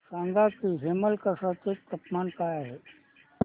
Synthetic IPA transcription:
sãːŋɡakiɦeməlkɐsat̪et̪ɐpmaːnkaːjaɦe

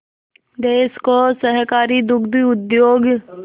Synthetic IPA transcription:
d̪eːskosəɦkaːɾid̪ʊɡd̪iʊd̪joːɡ

